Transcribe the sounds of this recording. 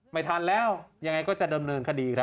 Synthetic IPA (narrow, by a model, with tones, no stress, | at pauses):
ma˥˩jt̪ʰaː˧nlɛː˦˥˩wja˧ŋːa˧jkɔː˥˩t͡ɕa˨˩da˧mnɤː˧nkʰa˧diː˧kʰɾa˦˥